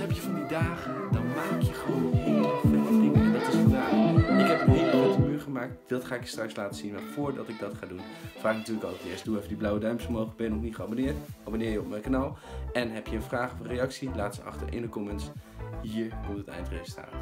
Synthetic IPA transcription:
ɦɛpjəvʊːdidaːχəndɑnmaːkʰjəχəʋownɪvəfənɪŋdɑtɪsfədaːχɪkɦɛpənɦɪlbowtəmyːɹχəmaːk̚td̥ɑtχaːɪkjə̥strɑkslaːtəz̥inʋalfʊːɹdɑtɪɡ̚dɑtχaːdun | faːknətyːləkɑlˠətɪːɹstd̥uɛfvədiblawədœɥmpsfəɹmowχləɡ̚bɛjənɔχnitχəɑbonɪːɹtʔɑbonɪːɹjəɔp̚mɛjkanɑlˠɛnɦɛpjəənfraːχɔvərejɑksilaːtsəɑ̰χtə̰ɹɪ̰ndəkɔmənsɦiːɹkɔmtətɛ̰jntresta̰ːt

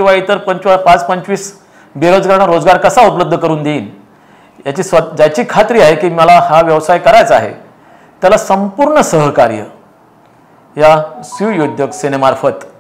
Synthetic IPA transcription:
kĩw̃ʋait̪əɾpəɲt͡ɕpat͡spəɲt͡sʋiːs | beɾod͡zɡaɾɳaɾod͡zɡaɾkəsaupələbd̪ʱːəkəɾuːnd̪eiːn | jat͡ɕiːsʋəd͡ʑat͡ɕiːkʰat̪ɾiːaɦekiːməlahaʋjəʋsajkəɾajt͡sa̰ɦḛ | t̪jalasəmpuɾɳəsəɦkaɾjə̰ | jasujod̪ʱjəksenemaɾfət̪

